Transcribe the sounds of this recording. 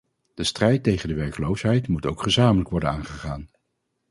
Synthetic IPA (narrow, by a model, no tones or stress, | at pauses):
d̥əstrɛjtːejχəndəʋɛɹkəlowsɦɛjtmutowkχəzaːmələkʋɔɹdənaːnχəχaːn